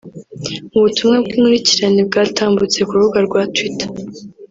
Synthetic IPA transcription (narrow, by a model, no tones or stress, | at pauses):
muβutʰumŋab̚ɡimuɾiciɾaneb̚ɡaːtʰaːmbut͡se̞kuɾuuɡaɾɡwatwitḁ